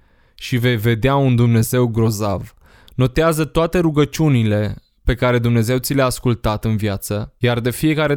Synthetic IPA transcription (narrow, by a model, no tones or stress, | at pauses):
ʃive̞jve̞d̪eaund̪umne̞ze̞wɡɾo̞za̰v | no̞t̪eazət̪oat̪e̞ɾuɡət͡ʃunile̞ | pe̞kaɾe̞d̪umne̞ze̞wt̪sʲileaːskult̪at̪ɨnviat̪səjard̪e̞fie̞kaɾe̞